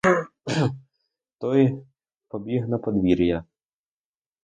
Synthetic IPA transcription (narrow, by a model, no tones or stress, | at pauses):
t̪ɔj | pɔbʲiɦnɐpɔd̪ʋʲiɾʲjɐ